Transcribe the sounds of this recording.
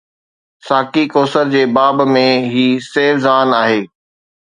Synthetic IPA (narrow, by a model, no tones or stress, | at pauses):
saːkikoːsəɾd͡ʑeːbaːbmẽɦiːseːfzaːnaːɦeː